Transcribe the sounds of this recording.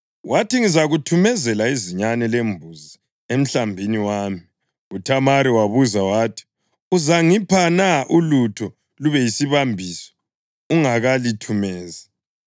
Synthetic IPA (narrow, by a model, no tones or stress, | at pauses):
wʔatiŋizaɣutʰumɛzɛlaiziɲanɛlembʱuzi | em̩ɬambʱiniwaːmi | utʰamaɾiwaβuzawaːtʰi̥ | uzaŋipʰanaʔulutʰɔ | luβɛjisiβambʱisɔ̥ | uŋaɣalitʰumɛːza